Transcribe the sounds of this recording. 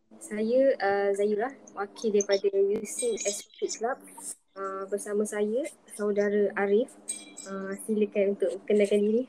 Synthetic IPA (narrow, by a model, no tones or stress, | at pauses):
sajəəzajulahwakʰildaipadajusikɛskʰiklap̚ | əbərsamãsajəsawdaɾəʔaɾɪfəsiləkanunt̪ʊʔ̚mə̃kənalkandiɾi